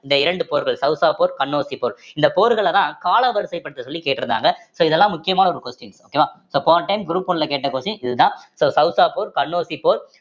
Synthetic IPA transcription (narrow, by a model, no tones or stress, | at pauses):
ɪnd̪ɐɪɾɐɳɖɯpoːɾɣɐɭsɐʊsaːpoːɾkɐɳːoːsipoːɾɪnd̪ɐpoːɾɣɐɭɐt̪ãːkaːlɐʋɐɾsɐɪpːɐɽɯt̪ːɐsɔlːikeːʈːɪɾɯnd̪a̰ːŋɡɐsoːɪðɛlːãːmʊkːɪjɐmaːnɐɔɾɯkɔsʈɪnsoːkeːʋaːsoːpoːʈɐɪmɡɪɾuːpːɔnlɐkeːʈːɐkoːsĩʔɪðɯt̪ãːsoːsɐʊsaːpoːɾkɐɳːoːsipoːɾ